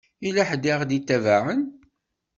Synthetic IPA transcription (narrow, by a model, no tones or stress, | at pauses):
ilæħd̪iʁd̪it̪ːævaʕən